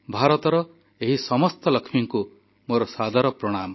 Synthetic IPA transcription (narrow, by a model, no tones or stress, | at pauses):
bʱaɾɔt̪ɔɾɔ | eɦisɔmɔst̪ɔlɔkʰmiŋku | moɾɔsad̪ʱaɾɔpɾɔɽ̃amɔ